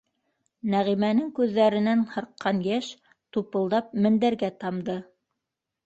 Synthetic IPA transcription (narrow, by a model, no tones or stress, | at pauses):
næʁimænɘŋkʉðːæɾɘ̆nænhɤ̆ɾqːɑnjæʃ | t̪upɤ̆lˠd̪ɑp̚mɘ̆nd̪æɾɡæt̪ɑmd̪ɤ